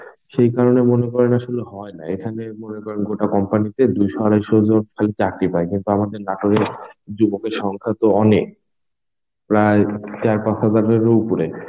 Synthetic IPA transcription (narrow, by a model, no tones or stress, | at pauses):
ʃejkaɾonemonekɔɾenaʃoleɦɔena̰ekʰanemonekɔɾenɡoʈakɔmpanit̪ed̪ujʃɔaɾajʃod͡ʑonkʰalet͡ɕakɾipaekint̪uamad̪eɾnaʈoɾeɾd͡ʑubokeɾʃɔŋkʰat̪oɔnek̚ | pɾaet͡ɕaɾpasʰad̪aɾeɾoupuɾe